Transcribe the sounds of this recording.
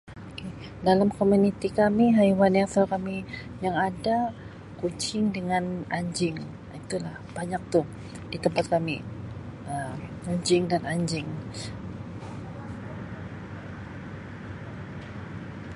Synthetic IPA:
oke | dalamkomunit̪ikamiɦaiwaniasakami | jaŋada | kuɲt͡ʃɪŋdəŋanaɲd͡ʒɪŋ | it̪ulahb̥aɲak̚t̪uh | dit̪əmpat̪̚kami | əmkuɲd͡ʒɪŋdanaɲd͡ʒɪŋ

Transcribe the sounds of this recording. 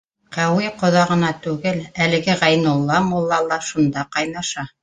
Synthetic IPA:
qæwiqŏðɑʁɤ̆nɑt̪ʉɡɘlælɘ̆ɡɘʁæjnŭlˠːɑmulˠːɑlˠːɑʃund̪ɑqɑjnɑʃɑ

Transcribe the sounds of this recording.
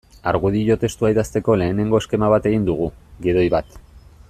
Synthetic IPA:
aɾɣuð̞iʝo̞t̪e̞st̪uaiðast̪e̞ko̞le̞ːne̞ŋɡo̞e̞ske̞maβat̪e̞ɣind̪uɣ̞uɣið̞o̞jβat̪

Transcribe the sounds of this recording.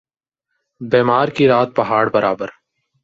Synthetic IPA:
beːmaːɾkiɾaːt̪̚pɐɦaːɽbɐɾʔaːbəɾ

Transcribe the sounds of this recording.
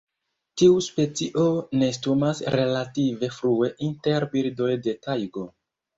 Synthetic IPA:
tiuspe̞t͡siʔo̞ne̞stumasɾe̞lative̞fɾue̞ʔinte̞ɾbiɾdo̞jde̞tajɡo̞

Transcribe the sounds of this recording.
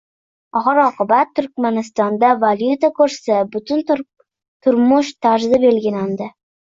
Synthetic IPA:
ɒχɑɾɒqɨbat̪ʰːʊɾkʲmanɪst̪ɒnd̪avaljʊt̪akʰɵɾsabʊt̪ʰʊn | t̪ʰʊɾmʊʃt̪ʰaɾzɪbe̞lɡʲɪland̪ɪ

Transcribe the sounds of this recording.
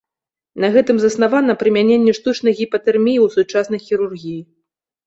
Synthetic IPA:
nɐɣɛt̪ɨmzɐsnavanɐpɾɨmʲanʲenʲːɛʂt̪ut͡ʂnɐjɣʲipɐt̪ɛrmʲijiwsut͡ʂasnɐjxʲiɾurɣʲiji

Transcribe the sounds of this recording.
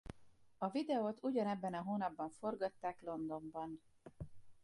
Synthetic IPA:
ɒvid̪ɛot̪uɟɒnɛbːɛnɒɦoːnɒbːɒɱfo̞rɡɒt̪ːaːklo̞nd̪o̞mbɒn

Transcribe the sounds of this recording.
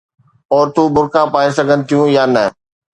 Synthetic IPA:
ɔːɾt̪uːbʊɾkãpaːesɐɡʱənɪ̆t̪ʰijũjaːnə

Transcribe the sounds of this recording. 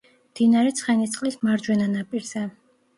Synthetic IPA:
md̪̥inaɾɛt̪sʰχɛnit̪sʼqʼlismaɾd͡ʒwɛnanapʼiɾz̥ɛ

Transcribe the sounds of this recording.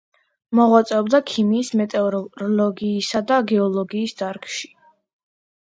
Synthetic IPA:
mɔʁwat̪sʼɛɔbd̪akʰimiːsmɛt̪ʼɛɔɾɔɾɔlɔɡiːsad̪aɡɛɔlˠɔɡiːsd̪aɾkʼʃi̥

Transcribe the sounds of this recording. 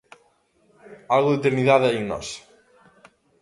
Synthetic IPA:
alɣʊðet̪̬eɾniðaðeeŋnɔ̰s

